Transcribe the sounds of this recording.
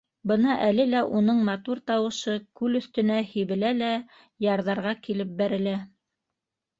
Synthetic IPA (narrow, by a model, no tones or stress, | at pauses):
bɤnɑʔælɘlæʔunɤɴmɑt̪uɾt̪ɑwɤ̆ʃɤkʉlɵ̆θt̪ɵ̆næhiβɘ̆lælæ | jɑɾðɑɾʁɑkilɘp̚bæɾɘ̆læ